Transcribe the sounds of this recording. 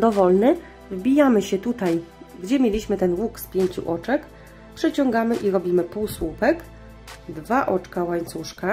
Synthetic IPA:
d̪ɔvɔlnɘ | vbʲijamɘɕɛt̪ut̪aj | ɡd͡ʑɛmʲjelʲiɕmɘt̪ɛnwukspʲjeɲt͡ɕṵʔɔt͡ʂɛk | pʂɘt͡ɕɔŋɡamɘʔiɾɔbʲimɘpuwswupɛk | d̪vaʔɔt͡ʂkawaɲt̪suʂka

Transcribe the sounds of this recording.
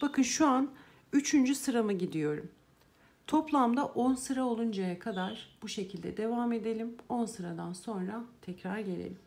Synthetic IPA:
b̥akʰɯnʃuan | yt͡ʃʰynd͡ʒysɯɾamɯɟid̪ijo̞ɾṵm | t̪ʰo̞plˠamd̪aʔo̞nsɯɾao̞lˠund͡ʒajakʰad̪aɾb̥uʃe̞cʰilʲd̪ɛ̰d̪e̞vaːme̞d̪e̞lʲimo̞nsɯɾad̪anso̞nɾat̪ʰɛcɾaɾɟe̞lʲḛlʲimm

